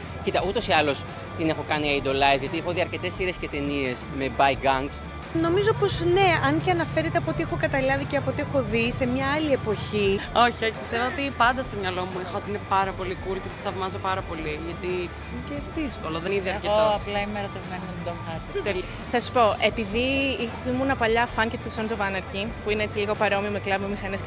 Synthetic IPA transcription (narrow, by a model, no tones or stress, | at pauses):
cit̪ɐut̪o̞siɐlo̞s | t̪ine̞xo̞kɐniɐid̪o̞lɐezʝɐt̪iexoðiɐɾce̞t̪e̞siɾe̞sce̞t̪e̞nie̞zme̞bɐjɡɐŋs | no̞mizo̞po̞sne̞ɐnceɐnɐfe̞ɾet̪eɐpoot̪ie̞xo̞kɐt̪ɐlɐviceɐpoot̪ie̞xo̞ðise̞mɲɐɐlie̞po̞çio̞çio̞çi̥pi̥st̪e̞voot̪ipɐnd̪ɐst̪o̞mɲɐlo̞muexoot̪iinepɐɾɐpo̞likulcet̪o̥sθɐvmɐzopɐɾɐpo̞liʝɐt̪ikse̥sineceðisko̞loðeniðiɐɾceot̪oɐplɐimeɾot̪evmɐninɐt̪id̪omxɐɾt̪it̪el | θɐsu̥po̞ʔe̞piðiiximunɐpɐʎɐfɐŋcet̪usonzovɐnɐɾcipuineet͡siliɣo̞pɐɾeo̞miomeklɐvmemixɐnes